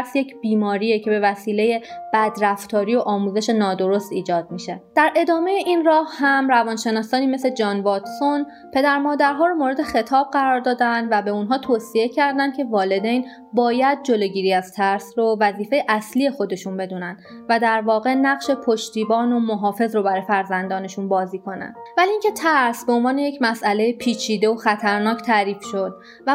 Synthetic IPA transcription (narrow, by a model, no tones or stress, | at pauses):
ɾsje̞cʰb̥iːmɒːɾiːecʰe̞be̞væsiːle̞je̞b̥æd̪ɾæft̪ʰɒːɾiːjo̞ʔɒːmuːze̞ʃe̞nɒːd̪o̞ɾo̞st̪iːd͡ʒɒːd̪̥̚miʃe̞d̪̥æɾʔe̞d̪ɒːme̞jeʔinrɒːhhæmrævɒːnʃe̞nɒːsɒːniːme̞sed͡ʒɒːnvɒːt̪son | pʰe̞d̪æɾmɒːd̪æɾɦɒːɾomoːɾe̞d̪e̞xe̞t̪ʰɒːb̚ɢæɾɒːɾd̪ɒːd̪ænd̪væbe̞unɦɒːt̪ʰoːsie̞cʰæɾd̪ænd̪cʰe̞vɒːle̞d̪ejn | bɒːjæd̪̚d͡ʒo̞loɟiːɾiːæz̥t̪ʰæɾsrovæziːfe̞jeʔæslije̞xo̞d̪e̞ʃunbe̞d̪uːnænd̪̥ | væd̪æɾvɒːɣe̞næɣʃe̞pʰoʃt̪iːbɒːnomoɦɒːfe̞zɾo̞bæɾɒːjefæɾzænd̪ɒːne̞ʃunbɒːziːkʰo̞næ̰nd̥̪væliiːŋcʰe̞t̪ʰæɾsbeonvɒːne̞jecʰmæsʔæle̞jepʰiːt͡ʃʰiːd̪e̞oxæt̪ʰæɾnɒːct̪ʰæːɾiːfʃo̞d̪̥̚ | væ